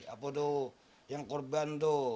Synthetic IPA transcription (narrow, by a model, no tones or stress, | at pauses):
a̰podo | jaŋkorbant̪o